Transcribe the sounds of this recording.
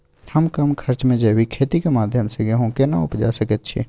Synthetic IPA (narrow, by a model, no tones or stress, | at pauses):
həmkəmkʰəɾt͡ʃmẽd͡ʒəbikʰeːt̪ikemaːd̪ʱjəmseɡeɦõkenaʊ̰pd͡ʒasəkət̪t͡ʃʰḭ